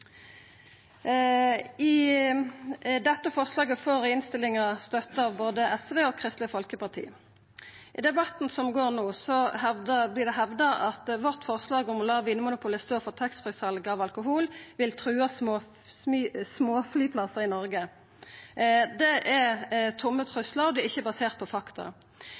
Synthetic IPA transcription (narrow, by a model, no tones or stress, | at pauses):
ɪ | d̪ɛt̪ːəfɔʁslɑːɡəfoːʁɪnst̪ɪlɪŋɑst̪œt̪ːəɑʋboːd̪əʔɛsʋeːɔkʰʁɪst̪lɪəfɔlkəpɑʁt̪ʰḭː | ʔɪd̪ɛbɑt̪n̩sɔmɡoːʁnoːsɔhɛd̪əblɪd̪ɛɦɛʋd̪əɑt̪ʋɔʁt̪fɔʁslɑːɡɔmlɑːʋɪnəmʊnʊpʊləst̪oːʁfɔʁt̪ʰɛksfʁɪsɑlɡəɑːʋɑlkʊɦuːlʋɪlt̪ʰʁʉːɑs | smoːflyːpʰlɑsəʁɪnɔʁɡə | d̪ɛʔɛʁt̪ʰʊmːət̪ʰʁʉslɑʁɔd̪ɛɪçːəbɑseːʁt̪̚pʰɔfɑkt̪ɑ̰